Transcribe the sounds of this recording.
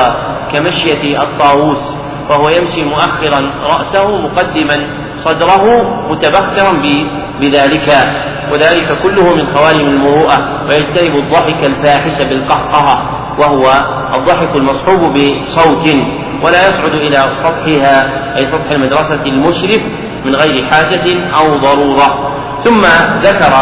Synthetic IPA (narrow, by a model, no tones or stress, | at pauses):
kamaʃjaɑ̰t̪ˤːɑːwuːs | fahʊwajamʃimʊʔaxːɪɾˤɑnɾˤɑʔsahʊmʊqɑd̪ːɪman | sˤɑd̪ɾˤɑɦʊmʊt̪abakːɪɾˤɑnbɪ | bɪðaːlɪka | wʔaðaːlɪkakʊlːʊhʊmɪnxawaːlɪmalmʊɾuːʔa | wajad͡ʒt̪anɪbʊd̪ðˤːɑħɪkalfaːħɪʃabɪlqɑħq̪ɑɦa | waɦʊwa | ʔɑðˤːɑħɪkalmɑsˤħuːbbɪsˤɑwt̪ɪ | walaːjɑsˤʕʊd̪ʔɪlasˤɑt̪ˤħɪɦaː | ʔajsˤɑt̪ˤħalmad̪ɾˤɑsalmʊʃɾɪf | mɪnɣajɾɪħaːd͡ʒaɪnʔawðˤɑɾˤuːɾˤɑ | θʊmːaðakɑɾˤ